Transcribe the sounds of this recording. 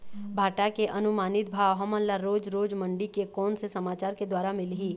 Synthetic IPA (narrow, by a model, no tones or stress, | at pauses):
bʱaːʈakeʔɐnʊmaːnɪt̪̚bʱaːʋɦɔmənlaɾoːd͡ʒɾoːd͡ʒmə̃ɳɖikekɔːnsesɐmaːt͡ʃaːɾked̪waːɾamɪlɦiː